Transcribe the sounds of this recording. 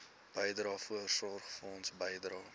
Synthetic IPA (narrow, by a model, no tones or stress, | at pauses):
b̥əjdrɑːfuərsɔrχfəɔnsbəjdrɑː